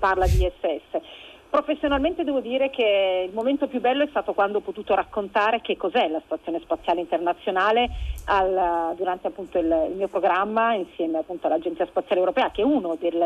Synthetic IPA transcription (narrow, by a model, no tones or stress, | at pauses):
parlad̪iɛsːeɛsːepɾofesːjonalment̪ed̪ɛːvod̪iːɾekeilmoment̪opjubːɛlːoɛst̪aːt̪okwand̪oɔpːot̪uːt̪oɾakːont̪aːɾek̟ekːozɛlasi̥t̪wat̪sːjoːnespat̪sːjaːleint̪ernat̪sːjonaːleald̪uɾant̪eapːunt̪oilḭlmiːopɾoɡɾamːainsjɛːmeapːunt̪oalad͡ʒent̪siːaspat̪sjalewɾopɛːakeɛunod̪el